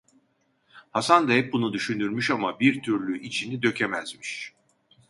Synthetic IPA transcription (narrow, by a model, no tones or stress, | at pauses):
hasand̪aɦɛp̚bunud̪yʃynyɾmyʃamabiɾt̪ʰyɾlʲyʔit͡ʃʰinid̪ø̞cʰe̞mæzmiʃ